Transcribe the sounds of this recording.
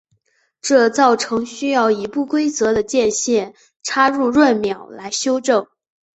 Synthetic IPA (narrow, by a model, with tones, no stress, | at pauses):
ʈ͡ʂɤ˥˧t͡sɑ˥˩ʊʈ͡ʂʰɤ˧˥ŋɕy˥jɑ˥˩ʊi˧˥pu˥˩kwe˥ɪt͡sɤ˧˥d̪ə˧t͡ɕjɛ˥˧nɕjɛ˥˩n | ʈ͡ʂʰa˥ɻu˥˧ɻwə˥˩nmjɑ˨˩ʊla˧˥ɪɕjo˥ʊʈ͡ʂɤ˥˩ŋ